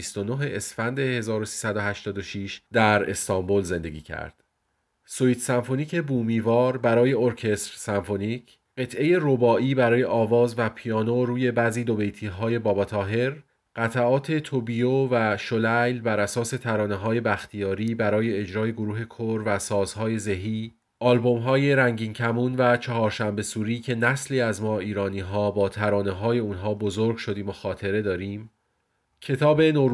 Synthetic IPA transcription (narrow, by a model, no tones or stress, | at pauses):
ist̪o̞no̞ɦe̞ʔesfænd̪e̞he̞zɒːɾosiːsæd̪o̞ɦæʃt̪ɒːd̪oʃiːʃd̪æɾe̞̰st̪ɒmbo̞lze̞nd̪e̞̰ɡʲiːcʰæ̰ɾd̪̥ | soiːt̪ʰsæmfo̞niːcʰe̞buːmiːvɒːɾbæɾɒːje̞oɾcʰe̞st̪ɾsæɱfo̞niːcʰ | ɢe̞t̪ʰʔe̞je̞ɾobɒːʔiːbæɾɒːje̞ʔɒːvɒːzvæpʰijɒːnoɾuːje̞bæːziːd̪o̞be̞jt̪ʰiːɦɒːje̞bɒːbɒːt̪ʰɒːɦe̞ɾ | ɢ̥æt̪ʰæɒːt̪ʰe̞t̪ʰobijovæʃolæjlbæɾæsɒːse̞t̪ʰæɾɒːne̞ɦɒːje̞bæxt̪ʰijɒːɾiːbæɾɒːje̞ːd͡ʒɾɒːje̞ɡoɾuːɦe̞kʰoɾvæsɒːz̥ɦɒːje̞zeɦiː | ʔɒːlbo̞mɦɒːje̞ɾæŋɟiːncʰæmunvæt͡ʃʰɒɦɒːɾʃæmbe̞suːɾiːcʰe̞næsliːæzmɒːiːɾɒːniːɦɒːbɒːt̪ʰæɾɒːne̞ɦɒːje̞unɦɒːbo̞zoɾɡʃo̞d̪iːmoxɒːt̪ʰe̞ɾe̞d̪ɒːɾiːm | cʰe̞t̪ʰɒːbe̞no